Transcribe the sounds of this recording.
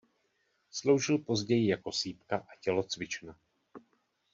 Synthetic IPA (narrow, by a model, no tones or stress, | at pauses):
slo̞wʒɪlpo̞zɟɛjɪjako̞siːpkaʔacɛlo̞t͡svɪt͡ʃna